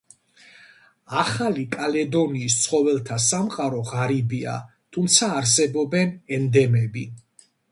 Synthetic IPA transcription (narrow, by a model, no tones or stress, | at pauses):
aχalikʼalɛd̪ɔniːst̪sʰχɔvɛlˠt̪ʰasamqʼaɾɔʁaɾibia̰ | t̪ʰumt̪sʰaːɾs̬ɛbɔbɛnɛnd̪ɛmɛbi